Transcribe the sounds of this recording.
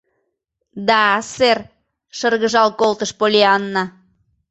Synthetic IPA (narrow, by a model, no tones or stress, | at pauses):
d̪ɑser | ʃərɣəʒɑlkolt̪əʃpolʲeɑnːɑ